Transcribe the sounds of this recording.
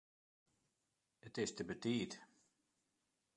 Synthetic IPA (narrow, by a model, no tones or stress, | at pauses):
ətɪstəbətiːt